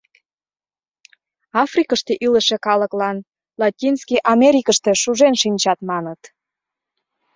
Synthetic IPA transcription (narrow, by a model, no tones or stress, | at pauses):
ɑfrikəʃt̪eʔiləʃekɑləklɑn | lɑtʲinskiʔɑmeɾʲikəʃt̪e̽ʃuʒenʃinʲt͡ɕɑt̪mɑnət̪